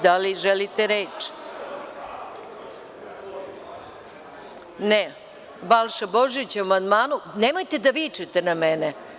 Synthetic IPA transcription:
d̪aliʒelit̪eɾeːt͡ʃ | ne | balʃaboʒit͡ɕuamand̪maːnunemojt̪ed̪aʋit͡ʃet̪enamɛne

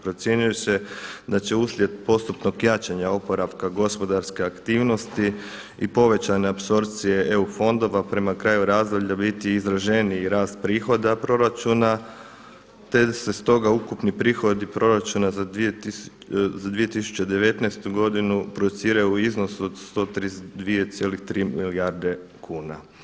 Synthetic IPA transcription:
pɾo̞t̪sʲje̞ɲujosed̪at͡ɕe̞uːslʲje̞d̪̚po̞st̪upnoɡjat͡ʃaɲao̞po̞ɾaʋkaɡo̞spo̞d̪aɾske̞akt̪iːʋno̞st̪i | ipo̞ʋe̞t͡ɕaneapso̞ɾpt̪sije̞ʔeufo̞nd̪o̞ʋapɾe̞makɾaːjuɾaːzd̪oʎabit̪iːzɾaʒe̞niːɾaːst̪̚pɾiːxo̞d̪apɾo̞ɾat͡ʃuna | t̪e̞d̪ase̞st̪o̞ɡaukupnipɾiːxo̞d̪ipɾo̞ɾat͡ʃunazai | zad̪ʋije̞t̪isu̥t͡ɕe̞d̪e̞ʋe̞t̪najst̪uɡo̞d̪inupɾod̪ut̪siːɾajuizno̞suod̪st̪o̞ːt̪ɾiːd̪ʋiet̪sje̞lixt̪ɾiːmiliaɾd̪e̞kʰuːna

